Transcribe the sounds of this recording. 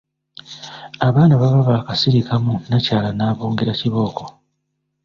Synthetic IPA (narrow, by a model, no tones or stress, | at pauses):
aβaːnaβaβaβaːkasiɾikamunacaːlanaːβoːŋɡeɾaciβo̞ːko